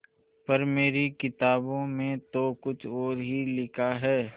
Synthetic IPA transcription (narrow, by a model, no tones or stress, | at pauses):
pɐɾmeːɾikɪt̪aːbõmẽt̪okʊt͡ʃʰɔːɾɦilɪkʰaɦɛː